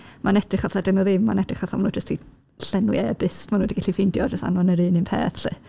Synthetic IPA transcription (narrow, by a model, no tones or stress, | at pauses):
mʔanɛd̥rɪχaθadɛnɔðɪmːma̰nɛd̥rɪχaθamanuːd͡ʒəstʰi | ɬɛnwḭʔɛdɪstmanuːdiɡaɬifɪndjɔd͡ʒəsta̰nɔnəɾɨːnɨnpʰḛːθɬɨ̰ː